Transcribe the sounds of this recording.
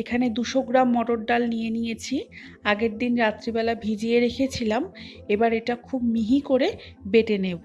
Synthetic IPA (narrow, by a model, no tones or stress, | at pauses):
ekʰaned̪uʃoɡɾamːɔʈoɽɖalnijenijet͡ɕʰi | aɡeɾd̪inɾat̪ːɾibɛlabʱid͡ʑieɾekʰet͡ɕʰilam | ebaɾeʈakʰubmiɦikoɾe | beʈenebo